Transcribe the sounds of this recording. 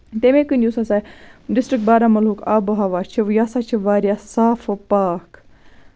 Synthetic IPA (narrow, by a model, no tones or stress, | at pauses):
t̪emẽkɨnʲd͡ʒʲusasaɖɪsʈɾɨk̚baːɾamɐlɦukʰaːboɦɐʋaːt͡ʃʰiʋjaːsat͡ʃʰiʋaːɾijasaːfɨpaːk